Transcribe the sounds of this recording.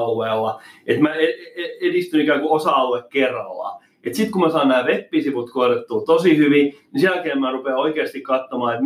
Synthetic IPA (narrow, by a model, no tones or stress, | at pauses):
lʋelːɑet̪mæeeedist̪ynikæːŋkuosɑɑlːekkerːɑ̰lːɑ̰ | et̪sit̪kumæsɑːnnæːʋepːisiput̪koret̪ːult̪osihyʋinisiælkemmærupeoikeːst̪ikkɑt̪ːomɑːet̪